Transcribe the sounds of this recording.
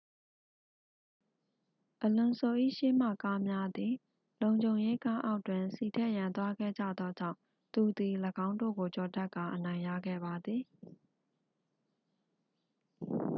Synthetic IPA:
ʔəlʊ̃˨nso˨ʔḭ˦˨ʃe˦m̥ä̰˦˨ka˦mja˦d̪ði˨ | lõ˨ʊ̃ɲd͡ʑõ˨ʊ̃je˦ka˦ʔa˦ʊtwɪ̃˨nsi˨tʰɛ˦ʔjã˨nt̪wa˦ɡɛ̰˦˨d͡ʑä̰˦˨d̪ðɔ˦d͡ʑã̰˦˨ʊ̃ | t̪u˨d̪i˨ləɡã˦ʊ̃ndo̰˦˨ɡo˨t͡ɕɔ˨tɛ˦ʔkːa˨ʔənã˨ɪ̃ja̰˦˨ɡɛ̰˦˨ba˨d̪ði˨

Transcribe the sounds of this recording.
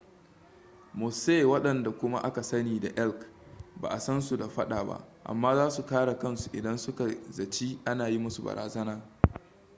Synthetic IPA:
mʊ˨se˦˨wɐ˦ɗɐ˨nda˨kʷʊ˦ma̰˦ʔa˦ka˨sɐ˦niː˨da˨ʔɛ˦lkba̰ː˨ʔa˨sɐ˦nsu˨da˨ɸɐ˦ɗaː˨ba̰˦ʔʔa̰˨mːaː˦zaː˦su˨kaː˦ɽa˨kɐ˦nsu˨ʔɪ˨dɐ˦nsʊ˦ka˨zɐ˨t͡ʃiː˦ʔa˦naː˨ji˦mʊ˦su˨bɐ̰˨ɾʔaː˨zɐ˦naː˦

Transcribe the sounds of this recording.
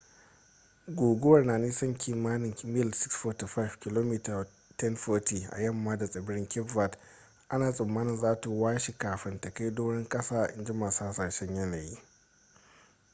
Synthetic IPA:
ɡʷoː˨ɡʷʊ˦wɐ˨rnaː˨niː˦sɐ˦ŋkʰʲiː˨maː˦nɪ˨ŋmɪ˦˨lsɪ˦ksfɔ˦ti˨ɸa˦jfkʲɪ˨loː˦mi˦ta˨ | tɛ˦nɸɔː˦tiː˨ʔa̰˨jɐ˦˨mːaː˦da˨sʼɐ˨bɪ˦ɽɪ˦ŋkʲɪ˦pva˨t | ʔa˦naː˨sʼɪ˨mːaː˦nɪ˨nzaː˦ta˨waː˦ʃi˨kaː˨ɸɪ˦ntɐ˨ka˦jdoː˦ɽɪ˦ŋkʼɐ˦saː˦˨ʔɪ̰˦nd͡ʒɪ˦maː˨saː˦sɐ˨rʃɛ˦ɲjɐ˦na˨jiː˦

